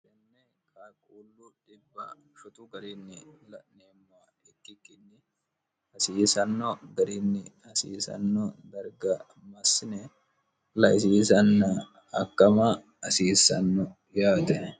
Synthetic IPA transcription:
ɛnːɛ | kʰakʼuːlːʊᶑɪbːɐ | ʃʊt̪ʊɡɐɾɪnːɪlɐʔneːmːaː | ɛkːɪkːɪnːɪ | hɐsiːsɐnːɔɡɐɾɪnːɪhɐsḭːsɐ̰nːɔd̪ɐɾɡɐ | mɐsːɪnɛ | lɐʔɪs̬iːsɐnːɐ | ɐkːɐma | ɐsiːsɐ̰nːɔ | jaːt̪ɛ

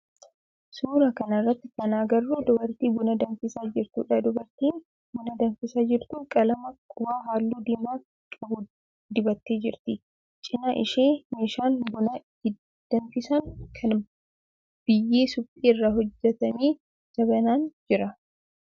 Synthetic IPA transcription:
suːɾɐkɐnɐrːɐt̪ːɪkɐnaːɡɐrːuːd̪ɔbɐɾt̪iːbʊnɐd̪ɐnfɪsaːd͡ʒɪɾt̪ṵːᶑad̪ʊbɐɾt̪iːn | bʊnɐd̪ɐnfɪsaːd͡ʒɪɾt̪ʊkʼɐlɐmɐkʼʊbaːɦaːlːuːd̪eːmaː | kʼɐbʊ | d̪ɪbɐt̪ːeːd͡ʒɪɾt̪ɪ | t͡ʃʼɪnaʔɪ̰ʃeːmeːʃaːnbʊnɐ | ɪ | d̪̥ɐnfɪsɐŋkʰɐn | b̥ɪjːeːsʊpʼːiːɪrːaɦɔd͡ʒːɛt̪ɐmiː | sɐbɐnaːnd͡ʒɪɾɐ

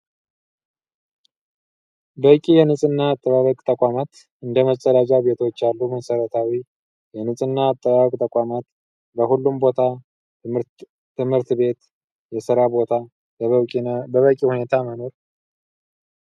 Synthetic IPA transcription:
bəkʼijɛnɨsʼɨnːaːt̪ʼːəβaβəkʼt̪ʼəkʼamat̪ | ɨnd̪əmət͡ʃʼːəd̪ad͡ʒʼaβe̞t̪ʰo̞t͡ʃːalːuməsəɾət̪ʰawi | jɛnɨsʼɨnːaːt̪ʼːəβaβəkʼt̪ʼəkʼamat̪ | bəhulːumbo̞t̪ʰa | ɨmhɨɾt̪be̞t̪ | jɛsɨɾabo̞t̪ʰa | bəβəkʼihune̞t̪ʰaməno̞ɾ

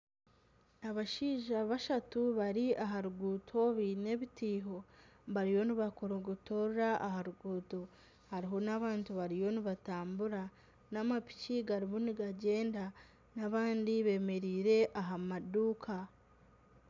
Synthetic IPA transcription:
aβaʃiːʒaβaʃatuβaɾiaɦaɾuɡuːtʰo̞βine̞βitiːɦo̞βaɾijo̞niβakoɾoɡutoɾɾaʔaɦaɾuɡuːto̞ | haɾiɦo̞naβaːntuβaɾijoniβataːmbuɾa | namapi̥ciɡaɾiβuniɡaɟe̞ːnda | naβaːndiβe̞ːme̞ɾiːɾe̞ʔaɦamaduːkʰa

